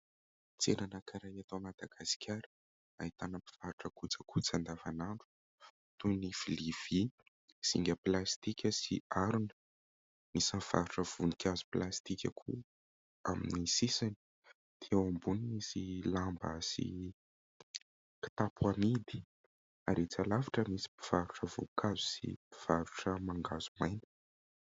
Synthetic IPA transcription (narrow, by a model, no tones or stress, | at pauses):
t͡seɾanəkaɾajat̪omad̪̥aɡ̥asi̥kʲʰaɾə̥ | aɦit̪anəpi̥v̥aɾuʈ͡ʂəkut͡sakʰut͡sand̪avanaɳɖ͡ʐu̥ | t̪unifiliv̥i | siŋɡʲəplast̪ikʲəsḭaɾunə | misanv̥aɾuʈ͡ʂəv̥unikʲʰazu̥plast̪ikʲakʰṵ | aminisisani̥ | d̪̥iawambuniisilambə̰sḭ | ki̥t̪apʰwamid̪i̥ | aɾet͡salavaʈ͡ʂəmisi̥pi̥v̥aɾuʈ͡ʂəvṵkʰazu̥sḭi̥v̥aɾuʈ͡ʂəmaŋɡaz̥umajni̥